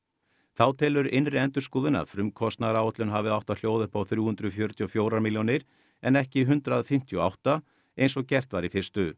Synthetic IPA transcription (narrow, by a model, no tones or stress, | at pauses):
θawt̪ʰɪːlʏɾʔɪnrɪɛnt̪ʏɾ̥skuːðɪna̰fɾʏmkʰɔst̪naɾaːwɛt̪lʏnɦavɪðawht̪aljoːwðɪhpawθɾjuːhʏnt̪ɾʏfjœɾ̥t̪ʰiɔfjoːwɾamiljonɪɾ̥ | ɛnɛhcɪɦʏnt̪ɾaðfɪm̥t̪ʰjɔa̰wht̪a | ejnsɔɣcɛr̥t̪vaɾifɪr̥st̪ʏ